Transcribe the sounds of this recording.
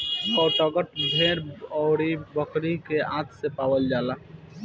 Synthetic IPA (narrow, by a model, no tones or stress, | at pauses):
ɔːʈəɡəʈbʱeɾɔɾibəkɾikeãːt̪ʰsepawəld͡ʒaːla